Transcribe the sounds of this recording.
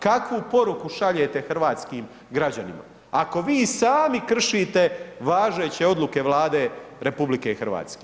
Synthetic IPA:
kakʋupo̞ɾukuʃaʎet̪e̞xrʋaːt̪skiːm | ɡɾad͡ʑanḭma̰ | ako̞ʋiːsaːmikr̩ʃiːt̪e̞ʋaːʒeːt͡ɕe̞o̞d̪luke̞ʋlˠaːd̪eɾe̞publikexr̩ʋa̰ːt̪ske

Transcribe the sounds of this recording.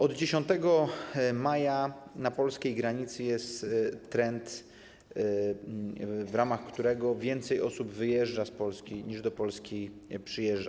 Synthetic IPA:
ɔd̪d͡ʑeɕɔnt̪ɛɡɔmajanapɔlskʲejɡɾaɲit̪sɘjɛst̪ːɾɛnt̪ | vɾamaxkt̪uɾɛɡɔvʲjɛnt̪sɛjʔɔsubvɘjɛʐd͡ʐaspɔlskʲiɲiʐd̪ɔpɔlskʲipʂɘjɛʐd͡ʐa

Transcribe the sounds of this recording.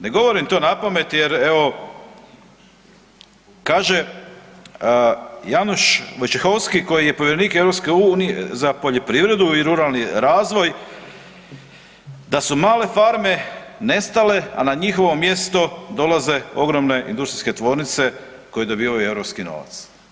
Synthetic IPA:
ne̞ɡo̞ʋo̞ɾimt̪o̞ːnapame̞t̪jeɾeʋo̞ | kaːʒe̞ | januʃʋojt͡ʃexo̞wskiko̞jijepoʋjeɾeniːkeʋɾopske̞unijḛzapoʎe̞pɾiːʋɾe̞d̪uiɾuɾalniɾaːzʋo̞j | d̪asumaːle̞faɾme̞ne̞st̪ale̞a̰naɲixo̞ʋo̞mje̞st̪o̞d̪o̞laze̞o̞ɡɾo̞mne̞ʔḭnd̪ust̪ɾi̥ske̞t̪ʋo̞ːɾnit̪se̞ | ko̞jed̪o̞biːʋaueʋɾopskino̞̰ʋa̰t̪s

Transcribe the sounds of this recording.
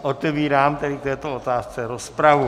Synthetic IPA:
ʔot̪ɛviːɾaːmt̪ɛdɪkt̪ɛːt̪oot̪aːst͡sɛɾospɾavu

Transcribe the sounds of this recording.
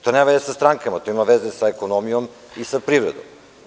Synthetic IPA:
t̪oneʋed̪esast̪ɾaŋkamat̪o̞imaʋezesaeko̞nomijom | isapɾiʋvɾḛd̪o̰m

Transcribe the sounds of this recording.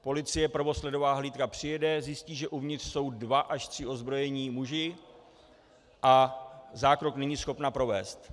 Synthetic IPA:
po̞lɪt͡sɪjɛpr̩vo̞slɛdo̞vaːɦliːt̪kapr̝̥ɪjɛdɛzjɪsciːʒɛʔuvɲɪt̪r̥so̞wdvaʔaʃt̪r̥ɪʔo̞zbɾo̞jɛɲiːmuʒɪ | ʔazaːkɾo̞knɛɲiːsxo̞pnapɾo̞vɛːst̪

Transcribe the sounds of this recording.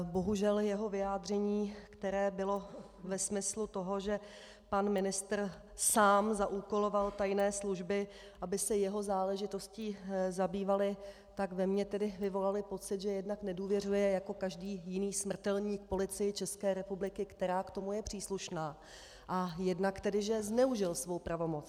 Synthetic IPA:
bo̞ɦuʒɛljɛɦo̞vɪjaːd̪r̝ɛɲiːkt̪ɛɾɛːbɪlo̞ | vɛsmɪslut̪o̞ɦo̞ʒɛ | panmɪnɪst̪r | saːmzaʔuːko̞lo̞valt̪ajnɛːsluʒbɪ | ʔabɪsɛjɛɦo̞zaːlɛʒɪt̪o̞sciːzabiːvalɪ | t̪akvɛmɲɛt̪ɛdɪvɪvo̞lalɪpo̞t͡sɪt̪ʒɛjɛdnaknɛduːvjɛr̝ujɛjako̞kaʒdiːjɪniːsmr̩t̪ɛlɲiːkpo̞lɪt͡sɪjɪt͡ʃɛskɛːɾɛpublɪkɪkt̪ɛɾaːkt̪o̞mujɛpr̥iːsluʃnaː | ʔajɛdnakt̪ɛdɪʒɛznɛuʒɪlsvowpɾavo̞mot͡s

